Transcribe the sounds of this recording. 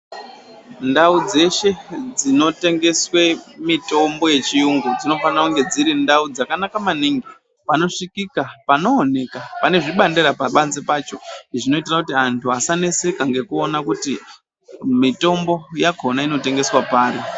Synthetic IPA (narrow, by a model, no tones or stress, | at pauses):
ndaud͡ze̞ʃe̞d͡zino̞te̞ŋɡe̞swe̞mito̞mbo̞je̞t͡ʃijuŋɡud͡zino̞fanrakuŋɡe̞d͡ziɾindaud͡zakanakamaniŋɡi | pano̞ʂikikapano̞ːne̞kapane̞ʐiɓandeɾapaɓanzepat͡ʃo̞ʐino̞itirakutiantʰuasane̞sekaŋɡe̞kuonakuti | mito̞mbo̞jaɡʱo̞naino̞te̞ŋɡe̞swapaːɾi